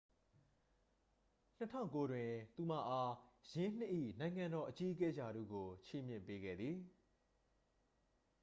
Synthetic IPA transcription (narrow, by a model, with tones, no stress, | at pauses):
n̥ətʰã̰˦˨ko˦dwɪ̃˨t̪u˨m̥ä̰˦˨ʔa˦jɪ̃˦n̥ɪ˦ʔḭ˦˨nã˨ɪ̃ŋã˨ndɔ˨ʔət͡ɕi˦ʔəkɛ˦d͡ʑa˨ɾṵ˦˨ɡo˨t͡ɕʰi˦˨mjɪ̰̃˦˨mpe˦ɡɛ̰˦˨d̪ði˨